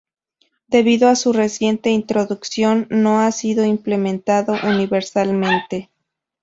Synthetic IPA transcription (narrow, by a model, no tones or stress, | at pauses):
d̪e̞βiðoasure̞sje̞nt̪e̞int̪ɾo̞ðuksjo̞nːo̞asiðo̞imple̞mẽ̞nt̪aðo̞ʔuniβe̞ɾsalmẽ̞nt̪e̞